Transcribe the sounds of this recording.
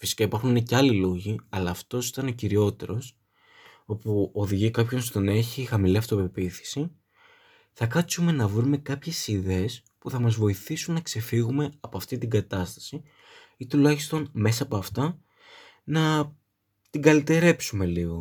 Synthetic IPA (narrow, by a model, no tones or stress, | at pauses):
fisi̥kɐipɐɾxunineceɐlilo̞ʝiɐlɐːft̪o̞si̥t̪ɐneo̞ciɾio̞t̪e̞ɾo̞s | o̞puo̞ðiʝikɐpço̞nst̪o̞ne̞çixɐmiliɐft̪o̞pe̞piθi̥si | θɐkɐt͡sume̞nɐvɾume̞kɐpçe̞siðe̞es | puθɐmɐzvo̞iθisunːɐkse̞fiɣume̞ɐpoɐft̪it̪iɡɐt̪ɐst̪ɐ̥si | it̪ulɐçist̪o̞nme̞sɐːpoɐft̪ɐ | nɐ | t̪iɡɐlit̪e̞ɾe̞psume̞liɣo̞